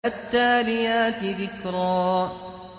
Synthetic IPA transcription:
at̪ːaːlɪjaːt̪ɪðɪkɾˤɑː

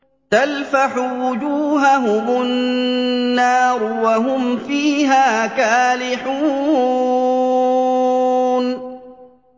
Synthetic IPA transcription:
t̪alfaħʊwʊd͡ʒuːɦaɦʊmʊnː | ɑːɾwaɦʊmfiːɦaːkaːlɪħuː | n

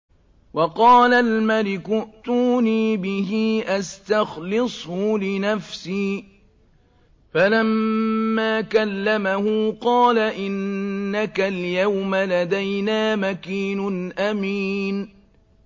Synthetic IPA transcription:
wɑqɑːlalmalɪkʊʔt̪uːniːbɪɦiːʔast̪axlɪsˤhʊlɪnafsiː | falamːaːkalːamahuːqɑːlaʔɪnːakaljawmalad̪ajnaːmakiːnʊnʔamiːn

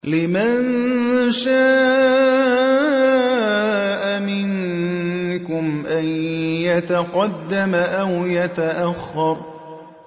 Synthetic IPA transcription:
lɪman | ʃaː | ʔamɪŋ | kʊmʔanjat̪aqɑd̪ːamaʔawjat̪aʔaxːɑɾˤ

